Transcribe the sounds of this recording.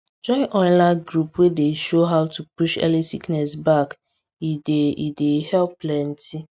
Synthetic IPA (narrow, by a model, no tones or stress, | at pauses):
d͡ʒɔnʔɔnlaɡɾupwedeʃoɦaʊtupuʃɛ̰lisiknɛsbak | ideidehɛlplɛn̩ti